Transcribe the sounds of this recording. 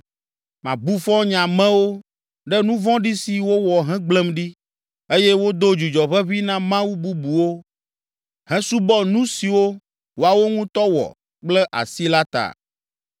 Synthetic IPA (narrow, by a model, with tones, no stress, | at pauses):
mã˨bu˦fɔ˦ɲã˨mɛ̃˦wo˦ | ɖɛ˦nũ˦vɔ̃˦ɖi˦si˨wo˦wɔ˨ɦɛ̃˦ɡ͡blɛ˦mɖi˦ | e˦jɛ˦wo˦d̪o˦d͡ʒu˨d͡ʒɔ˨ɸɛ˦βi˦nã˦mã˦wu˦bu˦bu˨wo˦ | hɛ̃˦su˦bɔ˦nũ˦si˨wo˦ | wo˦a˨wo˦ŋũ˦t̪ɔ˦wɔ̰˨ | k͡plɛ˦ʔa̰˨si˦la˦t̪a̰˨